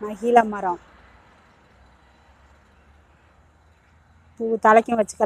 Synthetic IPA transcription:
mɐɣilɐmɐɾɐ̃ | puːt̪ɐlɐkʲːɯ̃ʋɐt͡ʃːɯ̥kːɐ

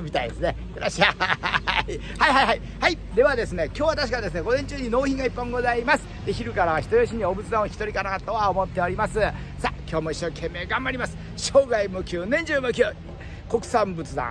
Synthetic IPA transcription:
mʲit̪aid̪e̞sɨne | kɯɾaɕia | i | haiɦaiɦai | hai | d̪e̞βad̪e̞sɨne̞kʲo̞ːβat̪aɕi̥kad̪esɨne̞ɡo̞zẽ̞ɲt͡ɕɨːɲ̟ino̞ːçĩŋɡaipːãŋɡo̞zaimasɨ̥d̪eçiɾɯ̟kaɾaβaçi̥t̪ojoɕ̬iɲ̟io̞bɯ̟t͡sɨd̪ãoçi̥t̪o̞ɾʲikaɾaat̪o̞βaomo̞t̪ːe̞o̞ɾʲimasɨ | sakʲo̞ːmo̞iɕːo̞ːkʰẽ̞mːe̞ːɡãmbaɾʲimasɨ̥ | ɕo̞ːɡaimokʲʰɨɯːnẽ̞ɲ̟d͡ʑɨːmokʲoː | ko̞kɯ̟̥sãmbɯ̟t͡sɨd̪ã̰

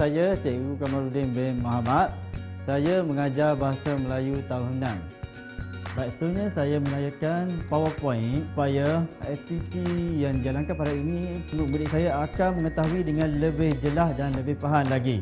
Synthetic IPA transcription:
sajat͡ʃeʔɡukamaɾudɪnbɛnmaɦamat̪̚ | sajaməŋad͡ʒarbaɦasaməlajut̪aunənãm | bat̪uɲãsajaməlajakanpawəpɔɪnupajaɛt̪isijaŋdiɡalaŋkapadainĩənʊʔ̚bəliʔsajaakanmə̃ŋət̪aɦuidəŋãnləbɪhd͡ʒəlahdanləbɪhpaɦanlaɡi

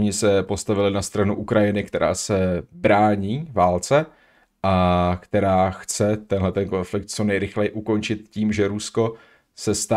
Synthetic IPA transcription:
oɲɪsɛpo̞st̪avɪlɪnast̪ɾanuʔukɾajɪnɪkt̪ɛɾʔa̰ːsɛbɾaːɲiːvaːlt͡sɛ | ʔakt̪ɛɾaːxt͡sɛt̪ɛnɦlɛt̪ɛnko̞nflɪk̚t̪̚t͡so̞nɛjɾɪxlɛjɪʔuko̞nt͡ʃɪt̪ciːmʒɛɾusko̞ | sɛst̪a

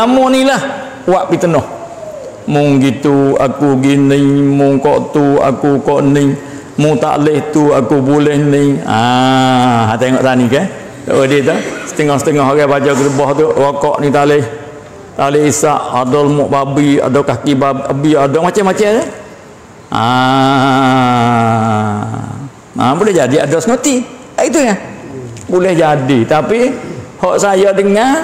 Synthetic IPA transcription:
amɔnilah | waʔpit̪ənɔh | mʊŋɡit̪ua̰kuɡinəŋmʊŋkɔʔt̪ua̰kukɔʔniŋ | mʊŋt̪a̰ʔlɪht̪uakubulɛhnɪŋa | ɦat̪aŋɔʔt̪anikɛ | t̪a̰ʔwədet̪asə̥t̪əŋɔhsət̪əŋɔɦaɡabad͡ʒɔk̬ət̪əbɔht̪uwakɔʔnit̪aʔlɪh | t̪alɪhisaʔadɔlmɔʔbabia̰dawkakibaabiadɔmat͡ʃɛmat͡ʃɛmt̪ɛ | a | a̰bulɛhd͡ʒadia̰dɔsnot̪i | aʔit̪uŋa | bulɛhd͡ʒadit̪apihɔʔsajadəŋːa

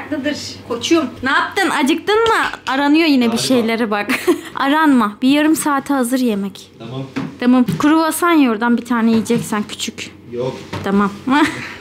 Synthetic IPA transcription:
klɯd̪ɯɾ̥kʰot͡ʃʰujomnaːp̚t̪ɯnad͡ʒɯk̚t̪ɯnmaaɾanɯjo̞jinɛbiʃe̞jlʲeɾɛbaka̰ɾanmabijaɾɯmsaːt̪ʰɯɦazɯɾjemɛc | t̪ʰamamkʰuɾuvasanjo̞ɾd̪anbit̪ʰaːnɛijid͡ʒɛcsæncʰy̥t͡ʃʰyc | jt̪ʰamama

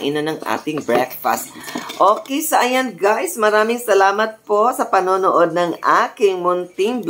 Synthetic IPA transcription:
ʔɪ̰nonɐŋʔa̰ːt̪ɪŋbɹɛkfɐ̰st̪̚ʔoːkɛjsɐʔɐjɐnɡajsmɐɾaːmɪŋsɐlaːmɐt̪̚po̞sɐpɐnoːnoʔod̪̚nɐŋʔaːkɪŋmʊnt̪ɪŋb

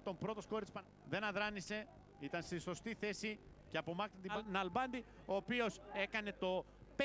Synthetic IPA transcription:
t̪o̞mbɾo̞t̪o̞sko̞ɾitt͡spɐ | ðe̞nɐðɾɐnise̞ | it̪ɐnst̪iso̞st̪iθe̞si | ce̞ɐpo̞mɐkɾint̪inɐlbɐnd̪i | o̞ːpio̞se̞kɐne̞t̪o̞ | p

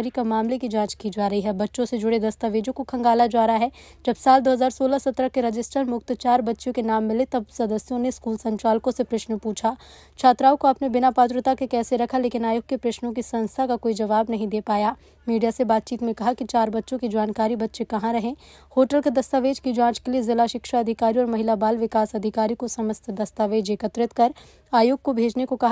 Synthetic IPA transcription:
ɾikamaːmlekid͡ʒãːt͡ʃkiːd͡ʒaːɾɐɦiɦɛːbɐtːʃõsed͡ʒʊɽed̪ɐst̪aʋeːd͡ʒõkokʰɐ̃ŋɡaːlad͡ʒaːɾaɦɛ | d͡ʒɐbsaːld̪oːɦɐzaːɾsoːlasɐt̪ːɾəkeɾɐd͡ʒɪsʈəɾmʊk̚t̪ət͡ʃaːɾbɐtːʃõkenaːmːɪlet̪ɐbsɐd̪əsjõneskuːlsɐ̃ɲt͡ʃaːlkõsepɾɐʃnpuːt͡ʃʰaː | t͡ʃʰaːt̪ɾaːõkoɐpnebɪnapaːt̪̬ɾət̪akekɛːseɾɐkʰaleːkɪnaːjʊɡ̚kːepɾɐʃnõk̬isɐ̃nst̪ʰakakoːid͡ʒɐʋaːbnɐɦĩd̪eːpaːjaː | miːɖijasebaːt̪̚t͡ʃiːt̪mẽkɐɦakit͡ʃaːɾbɐtːʃõkid͡ʒaːnkaːɾibɐtːʃekɐɦãɾɐɦẽː | hoːʈəlked̪ɐst̪aːʋeːd͡ʒkid͡ʒãːt͡ʃkeliezɪlaʃɪkʃaɐd̪ʱɪkaːɾiɔːɾmɐɦɪlabaːlʋɪkaːsɐd̪ʱɪkaːɾikosɐməst̪ʰd̪ɐst̪aːʋeːd͡ʒeːkət̪ɾɪt̪kɐɾ | aːjoːɡ̚kobʱeːd͡ʒnekokɐɦ

